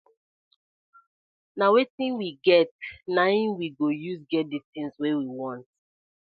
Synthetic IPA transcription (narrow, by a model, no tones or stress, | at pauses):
nawetĩnwiɡɛt̚naĩnwiɡojuzɡɛt̚ditĩŋswewiwɔ̃nt